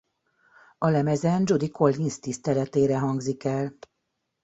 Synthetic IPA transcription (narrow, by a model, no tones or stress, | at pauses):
ɒlɛmɛzɛnd͡ʒud̪ikʰo̞lːinst̪ist̪ɛlɛt̪eːɾɛɦɒŋɡzikɛl